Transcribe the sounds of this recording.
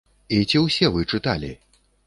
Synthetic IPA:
it͡sʲiwsʲɛvɨt͡ʂɨt̪alʲḭ

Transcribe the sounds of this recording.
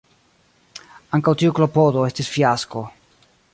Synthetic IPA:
aŋkawtiuklopodo̞e̞stisfiasko̞

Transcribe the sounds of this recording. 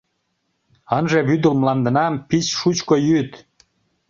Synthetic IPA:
ənʒeβyd̪əlmlɑnd̪ə̆nɑmpit͡ɕʃut͡ɕkojyt̪

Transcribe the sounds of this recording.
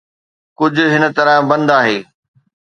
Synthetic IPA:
kʊd͡ʑʱʊ̆ɦɪnə̆t̪ɐɾəbɐ̃nd̪aːɦeː

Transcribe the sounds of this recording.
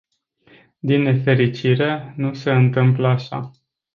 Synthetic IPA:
d̪inːe̞fe̞ɾit͡ʃiɾe̞nuse̞ɨnt̪ɨmpləaʃa̰

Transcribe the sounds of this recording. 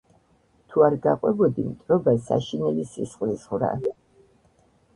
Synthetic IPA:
t̪ʰuaɾɡaqʼwɛbɔd̪imt̪ʼɾɔbasa̰ʃinɛlisisχlisχvɾa̰

